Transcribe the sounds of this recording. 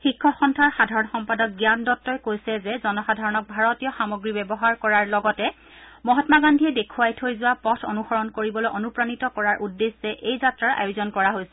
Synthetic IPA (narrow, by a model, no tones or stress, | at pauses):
xikʰːɔxɔntʰaɹxadʱaɹɔnxɔmpadɔk̚ɡjandɔtːɔjkojsɛzɛzɔnɔxadʱaɹɔnɔk̚bʱaɹɔtijɔxamoɡɹibɛbɔɦaɹkɔɹaɹlɔɡɔtɛ | mɔɦɔtmaɡandʱiɛdekʰuwajtʰojzʊwapɔtʰonuxɔɹɔnkoɹibɔlojʔonupɹanitɔkɔɹaɹʔudːesɛʔejzatɹaɹʔa̰jʊzɔnkɔɹaɦojsɛ̥